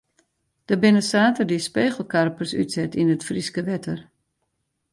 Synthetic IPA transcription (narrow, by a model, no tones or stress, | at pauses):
d̥əbɪnəsaːtərdispeːɣəl̩ˠkarpərsy̰tsɛtinətfriskəʋɛtʰər